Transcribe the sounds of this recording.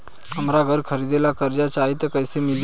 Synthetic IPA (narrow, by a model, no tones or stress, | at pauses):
əmɾaɡʱəɾkʰəɾid̪elakəɾd͡ʑat͡ɕaɦit̪əkəjsemil